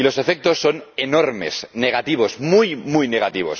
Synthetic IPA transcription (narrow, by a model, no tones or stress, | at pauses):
ilo̞se̞fe̞k̚t̪o̞sːone̞no̞ɾme̞̰sne̞ɣ̞at̪iβ̞o̞zmujmujne̞ɣat̪iβ̞o̞̰s